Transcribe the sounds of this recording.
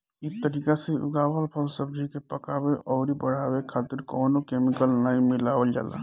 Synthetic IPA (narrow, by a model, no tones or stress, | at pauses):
it̪əɾikaseʊ̰ɡaːwəlpʰəlsəb̚d͡ʒʱikepəkabeʔɔːɾibəɽ̤abekʰaːt̪ɪɾkɔːnokemikəlnaĩmilaʋəld͡ʒa̰ːla̰